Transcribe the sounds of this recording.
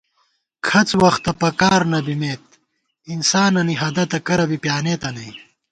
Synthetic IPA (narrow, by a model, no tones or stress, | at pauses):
kʰɐt͡swɐxt̪ɐpɐkaːɾnɐbimeːt̪̚ | insaːnɐniɦɐd̪ɐt̪ɐkɐɾɐbipjaːneːt̪ɐnɐj